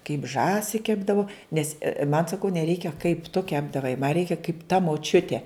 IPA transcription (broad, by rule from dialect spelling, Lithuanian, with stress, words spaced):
kɐɪp ˈʒɑːsʲɪ ˈkʲæːbdɐʋʊ ˈnʲɛs mɐn sɐˈkɐʊ nʲɛˈrʲɛɪkʲɛ kɐɪp tʊ ˈkʲæːbdɐʋɐɪ mɐ ˈrʲɛɪkʲɛ kɐɪp tɐ moːˈt͡ʃʲʊtʲeː